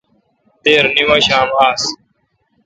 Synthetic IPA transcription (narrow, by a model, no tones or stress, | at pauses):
t̪eːɾnimɐɕaːmaːs